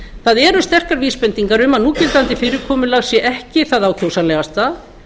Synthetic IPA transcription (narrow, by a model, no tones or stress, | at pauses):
θaðɛːɾʏst̪ɛr̥kaɾviːspɛnt̪iŋkaɾʏmanuːcɪlt̪ant̪ɪfɪɾɪkʰɔːmʏlaɣsjɛʔɛhcɪθaðaːwcʰowsanɛːɣast̪a